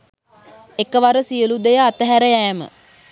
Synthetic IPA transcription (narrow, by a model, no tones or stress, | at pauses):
ekəʋaɾəsiəlud̪ejəat̪əɦæɾəjæːmə̰